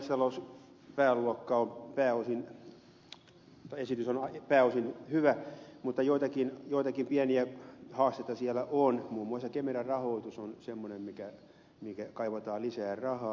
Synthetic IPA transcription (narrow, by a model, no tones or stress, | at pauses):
st̪ɑlous | pæːlːuɑkːɑompæːosin | t̪ɑesit̪ysonɑpæːosinhyʋæmut̪ːɑjoit̪ɑkinjoit̪ɑkimpiæniæhɑːst̪et̪ːɑsiælːæʔonmuːmːuɑˑsɑkemerærrɑhoit̪usonsemːonemmikæ | mikækɑiʋɑt̪ɑːlisæːrrɑhɑː